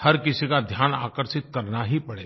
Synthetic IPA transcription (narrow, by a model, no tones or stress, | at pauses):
hɐɾkɪsikad̪ʱjaːna̰ːkəɾʃɪt̪̚kɐɾnaɦipɐɽḛː